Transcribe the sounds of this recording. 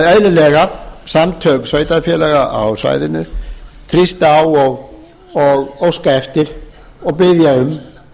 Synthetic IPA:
œjlʏlɛɣasamt̪ʰœːksœːɥt̪afjɛːlɛɣaʔa̰wsa̰jðɪnːʏθʰɾist̪awɔɣ | ɔɣowskaɛft̪ɪɾ̥ | ɔɣpɪðjaʏm

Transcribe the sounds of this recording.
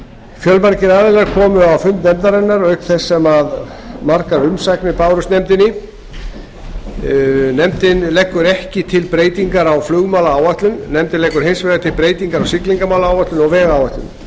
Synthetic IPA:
fjœlmaɾcɪɾaːðɪlːaɾkʰɔːmʏawfʏmt̪nɛmt̪aɾɛnːaɾœɥkθɛsːɛmað | maɾkaɾʏmsajknɪpaːwɾʏst̪nɛmt̪ɪnːɪ | nɛmt̪ɪnlɛhkːʏɾɛhcɪt̪ʰɪlpɾeːjt̪iŋkaɾawflʏɣmaːwlaaːwaht̪lʏnːɛmt̪ɪnɛhkʏɾɦejnsvɛɣat̪ʰɪlpɾeːjt̪iŋkaɾawsɪkliŋkamaːwlaaːwvaht̪lʏnɔɣvɛːɣaːwaht̪lʏ̰n

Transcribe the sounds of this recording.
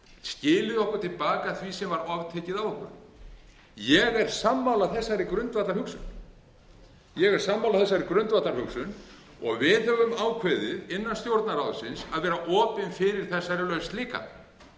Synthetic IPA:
scɪːlɪðɔhkʏɾ̥t̪ʰɪlpaːkaθvisɛmvaɾɔvt̪ʰɛcɪðavɔhkʏɾ | jɛɣɛɾ̥samːawlaθɛsːaɾikɾʏnt̪vat̪laɾhʏksʏ̰n | jɛɣɛɾ̥samːawlaθɛs̬ːaɾɪkɾʏnt̪vat̪laɾ̥hʏksʏn | ɔ̰ɣvɪðhœvʏmaːwkʰvɛðɪðɪnːanst̪jowɾt̪naɾaːwðsɪnsaðvɛːɾaʔɔːpɪnfɪɾɪɾ̥θɛsːaɾɪlœɥst̪liːka̰

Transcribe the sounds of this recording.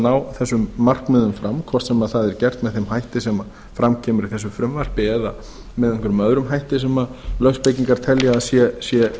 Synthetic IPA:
naːwθɛsːʏmːar̥kmɪːðʏmfɾamkʰv̥ɔɾ̥r̥t̪sɛmaðθaðɛɾcɛr̥t̪mɛðθemhajht̪ɪsɛma | fɾamcʰɛːmʏɾiθɛsːʏfɾʏmvar̥pɪɛːða | mɛðɛŋ̥kʏɾʏmœðɾʏmɦajht̪ɪsɛmalœɣspejciŋkaɾ̥t̪ʰɛljaasjɛsjɛ

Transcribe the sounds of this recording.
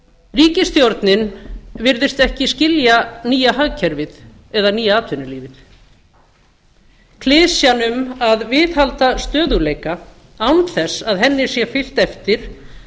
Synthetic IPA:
riːcɪst̪jowɾt̪nɪnvɪɾðɪst̪ɛhcɪscɪljaniːjahaɣcʰɛɾvɪð | ɛðaniːjaaːt̪ʰvʏnʏliːvɪθ | kʰlɪːsjanʏmaðvɪðhalt̪ast̪œːðʏleːjka | awnθɛsːaðɦɛnːɪɾ̥sjɛfɪl̥t̪ɛft̪ɪɾ̥

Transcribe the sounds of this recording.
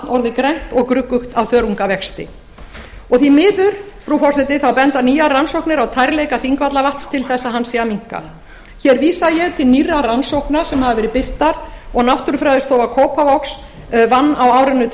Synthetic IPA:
nɔɾðɪkɾɛn̥t̪ɔɣkɾʏkːʏxt̪awθœːɾuŋkavɛxst̪ɪ̰ | ɔɣθimɪːðʏɾ̥ | fɾufɔsɛt̪ɪθawpɛnt̪aniːjaransowhknɪɾawt̪ʰajɾlejkafiŋkvat̪lavaht̪st̪ʰɪlθɛsːaɦanːsɛamiŋ̥ka̰ | çɛɾviːsajɛɣt̪ʰɪlnirːaransowknasɛmhavavɛːɾɪpɪr̥t̪aɾɔɣnawht̪ʏɾfɾajðɪst̪oːwvakʰoːwpavɔks | vanːawaːwɾɪnːʏt̪

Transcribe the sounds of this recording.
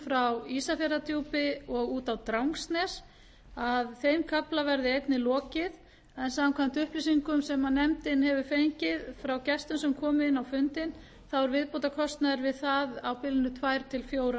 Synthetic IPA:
fɾawiːsafjɛɾat̪juːpɪɔɣuːt̪awt̪ɾawŋkst̪nɛs | aðθejmkʰaplavɛɾðɪejt̪nɪlɔːcɪð | ɛnsakʰvam̥t̪ʏhplisiŋkʏmsɛmːanːɛmt̪ɪnɦɛvʏfejɲcɪðfɾawcɛst̪ʏnsɛmkʰɔːmɪɪnːawfʏnt̪ɪn | θawʏɾvɪðpowt̪akʰɔst̪naðɪɾvɪðθaðawpɪlɪnʏt̪ʰvajɾ̥t̪ʰɪlfjoːwɾa

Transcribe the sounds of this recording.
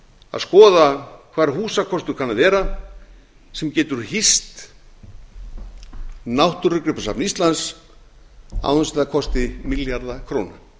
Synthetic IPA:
a̰ðskɔːðakʰvaːɾɦuːsakʰɔst̪ʏɾkʰanaðɛːɾa | sɛmcɛːt̪ʏɾ̥hist̪ | nawht̪ʏɾʏkɾɪpasapnist̪lans | a̰wʏnsɪakʰɔst̪ɪmɪljaɾðakʰɾoːwna

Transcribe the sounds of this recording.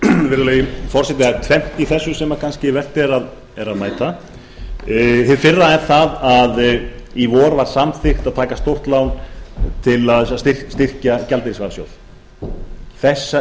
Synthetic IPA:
vɪɾðʏlejɪfɔr̥sɛt̪̬ɪat̪ʰvɛm̥t̪iθɛsːʏsɛmakʰanscɪvɛr̥t̪ɪɛɾað | ɛɾaðmaːjt̪a | hɪðfɪrːaɛɾθaðaðivɔːɾvaɾ̥samθɪxt̪aðt̪ʰaːkast̪owr̥t̪lawnt̪ʰɪlaðsst̪ɪr̥st̪ɪr̥cacalt̪ɪɾɪsvaɾsjo̰wð | θɛsːa

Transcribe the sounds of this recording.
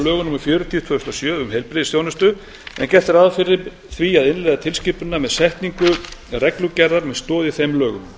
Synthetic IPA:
lœːɣʏnuːmʏɾ̥fjœːɾʏt̪ʰiʏt̪vœːðʏst̪asjœːʏmɦejlpɾɪðɪsθjoːwnʏst̪ʏ | ɛ̰ncɛ̥t̪ɪɾaðfɪɾɪ | θviaðɪnlɛjðat̪ʰɪlscɪːpʏnːamɛsɛht̪niŋkʏrɛklucɛrːaɾmɛðst̪ɔːðɪθejmlœːɣʏm

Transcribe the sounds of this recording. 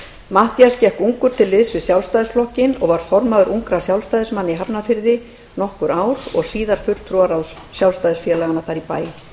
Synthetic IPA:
maht̪jascɛhkuŋkʏɾ̥t̪ʰɪlːɪðsvɪðsjawlst̪ajðɪsflɔhcɪnɔɣvaɾ̥fɔɾmaðʏɾʔuŋkɾḁsjawlst̪ajðɪsmanːɪiɦapnafɪɾðɪ | nɔhkʏɾaːwɾɔ̰ɣsiːðaɾ̥fʏlt̪ʰɾuaɾaws | sjawlst̪ajðɪsfjɛlaɣanaθaɾipaːjɪ

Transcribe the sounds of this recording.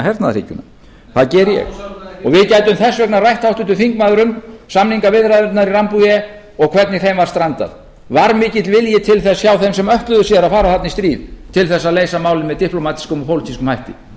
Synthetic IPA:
ɦɛɾt̪naðrḭːcʏna | θaðcɛːɾjɛ̰ɣɔɣvɪðcajt̪ʏmθɛsːvɛknarajht̪awht̪ʏnt̪ʏθiŋkmaːðɾʏmsamniŋkavɪðɾaðʏɾt̪naɾirampujɛ | ɔɣkʰvɛt̪nɪθejmvaɾ̥st̪ɾant̪a̰ð | vaɾmɪːcɪt̪lvɪljɛt̪ʰɪlθɛsçaːwθɛmsɛmœht̪lʏðʏsjɛðɾaðfaːɾaθat̪nɪist̪ɾiːðt̪ʰɪlθɛsːaðleːjsamaːwlɪnvɛðt̪ihplomaːt̪i̥skʏmɔpʰowlit̪ʰiskʏmhajht̪ɪ

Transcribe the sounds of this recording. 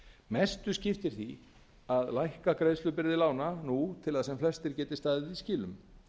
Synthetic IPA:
mɛst̪ʏscɪft̪ɪɾ̥θi | aðlajhkakɾejðslʏpɪɾðɪlaːwnanut̪ʰɪlaðsɛmflɛst̪ɪɾcɛːt̪ɪst̪aːðɪðiscɪːlʏm

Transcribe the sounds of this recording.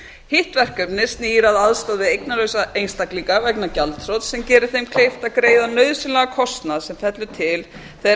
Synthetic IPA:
hɪht̪vɛr̥kœpnɪst̪niːɾaðaðst̪aðvɪejknalœːɥsaejnst̪akliŋkavɛknacalt̪ʰɾowt̪sɛmcɛːɾɪ̥θejmkʰl̥ejft̪aðkɾeːjðanœɥðsɪnlaɣakʰɔst̪naðsɛmfɛt̪lʏt̪ʰɪl | θe

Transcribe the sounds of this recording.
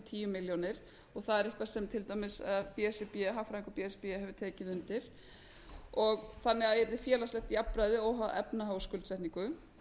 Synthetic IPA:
t̪ʰiːjʏmɪljɔnɪɾ̥ | ɔɣθaðɛɾɪhkvasɛmt̪ʰɪlt̪awmɪsaðpiɛsɪpiɛɦawfɾaĩŋkʏpiɛspiɛɛvʏt̪ʰɛːcɪðʏnt̪ɪɾ̥ | ɔɣθanːɛɣaðɛɾðɪfjɛːlaslɛht̪iapːɾajðɪoːwɦaðɛ̰pnaɦaːwskʏlsɛjt̪niŋkʏ

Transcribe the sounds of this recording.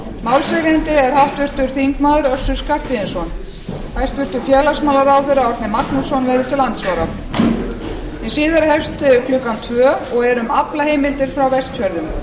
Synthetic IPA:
mawlsɛɣɾent̪ɪɛɾ̥haht̪vʏr̥t̪ʏɾ̥θiŋkmaːðʏɾœsːʏ̥skar̥pɪɪnsɔn | hajst̪vɪr̥t̪ʏ̥fjɛːlasmaːwlaɾawθɪɾaɔɾt̪nɪmaknusɔnvɛɾðɪt̪ʰɪlːant̪svaːɾa | ɛsɪːðɪɾahɛfst̪ɪkʰlʏkamt̪ʰvœːɔɣɛɾʏmaplaheːjmɪlt̪ɪɾ̥fɾawvɛst̪fœɾðʏm

